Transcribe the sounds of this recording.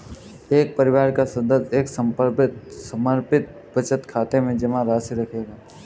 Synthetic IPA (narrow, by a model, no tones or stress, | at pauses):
eːk̚pɐɾɪʋaːɾkasɐd̪əseːksɐ̃mpəɾpɪt̪sɐməɾpɪt̪̚ | bɐt͡ʃət̪kʰaːt̪emẽd͡ʒɐmãɾaːsiɾɐkʰeːɡaː